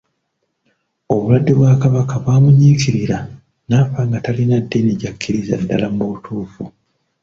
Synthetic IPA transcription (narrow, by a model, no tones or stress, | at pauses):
o̞βulwadːe̞βwaːkaβakaβwaːmuɲiːkiɾiɾa | naːfaŋɡatalinadːeneɟakːiɾiza̰dːa̰lambotʰuːfu